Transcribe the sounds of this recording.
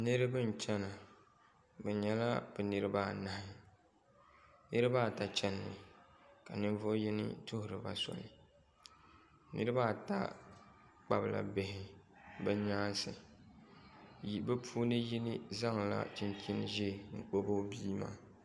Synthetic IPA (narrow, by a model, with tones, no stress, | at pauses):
nɨ˦ɾɨ˦bɨ˦n̩˨t͡ʃɛ˦na˨ | bɛ˨ɲɛ˨la˦b̥ɛ˨nɨ˦ɾɨ˦ba˦˨na˨hɪ˦ | nɨ˦ɾɨ˦ba˦˨ta˨t͡ʃɛ˦nːɨ˨ka˨nɨ˦ɱ˦vo˦ji˦nɪ̰˦tʊ˦hʊ˨ɾɨ˨ba̰˨sɔ̰˨lɨ˨ | nɨ̰˦ɾɨ˦ba˦˨ta̰˦ | k͡pa˦bla̰˨be˨hɪ˨ | bɛ˦ɲaː˦sɨ˨ | bɨ˦pʰuː˦nɨ˦ji˦nɪ˦za˦ŋ˨la̰˦t͡ʃi˦nki˦n˦ʒɛ˦˨ŋ̩˨k͡po˦bo˦biː˦ma̰ː˦˨